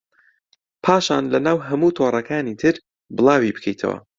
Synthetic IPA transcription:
pʰaːʃa̰ːnlɐnaːwɦɐmuːt̪ʰoːrˤɐkaːnit̪ʰɨɾ | bɨlˠaːwibɨ̥kʰḛjt̪ʰɐ̰wɐ̰

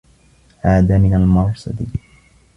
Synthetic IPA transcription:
haːd̪aːmɪnalmɑɾˤsɑ̰d̪i

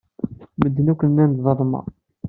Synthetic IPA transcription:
məd̪ːənukʷːənːænd̪ðˤəðˤmɑ̰

